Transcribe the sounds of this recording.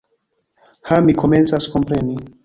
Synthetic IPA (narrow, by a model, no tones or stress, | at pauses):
hamikʰomɛ̃nsaskompɾɛni